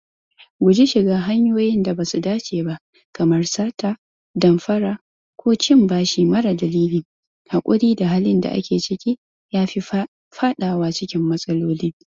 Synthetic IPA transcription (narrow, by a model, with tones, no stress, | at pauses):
ɡʷʊ˨d͡ʒi˦ʃɪ˨ɡaː˦ɦa˦ɲjoː˦jɪ˦nda˨baː˨su˨daː˦t͡ʃʼeː˨ba˦ʔ | kɐ˨mɐ˦rsaː˦taː˦˨ | dɐ˨mɸɐ˦ɾaː˨ | kʷoː˦t͡ʃɪ˦mbaː˦ʃiː˨mɐ˦ɽa˨dɐ˨liː˦liː˨ | ha˨kʷʼʊ˦ɽiː˦da˨ɦaː˦lɪ˦nda̰˨ʔa̰˦kʲeː˨t͡ʃɪ˦kʲi˦ | jaː˦ɸi˦ | ɸa˦ɗaː˨waː˦t͡ʃɪ˦kʲɪ˦mːɐ˦sʼɐ˦loː˦liː˦